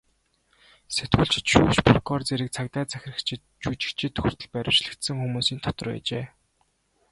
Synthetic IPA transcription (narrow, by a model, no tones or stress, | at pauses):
set̪ɡŭɮt͡ɕɪ̥̆t̪ʃuːʃpʰʊrkɔːrt͡seɾɘ̆k̚t͡sʰakt̪æːt͡sʰæxʲɪ̆rə̆kt͡ɕʰt | t͡ɕut͡ɕɪ̥̆kt͡ɕʰɪ̆t̪ʰːɵ̥xʲɵ̆r̥t̪ʰɵ̆ɮpæɾʲɪwt͡ɕɮɘ̆kt̪sɘ̆ŋxumuːsiːnt̪ʰɔt̪ɞ̆rpæ̰ːt͡ɕeː